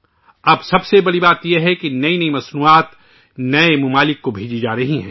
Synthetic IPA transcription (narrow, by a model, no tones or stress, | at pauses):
ɐbsɐbsebɐɽibaːt̪jeɦɛkinɐinɐimɐsnuaːt̪ | nɐemʊmaːlɪkːobʱeːd͡ʒid͡ʒaːɾɐɦiɦɛ̰̃ː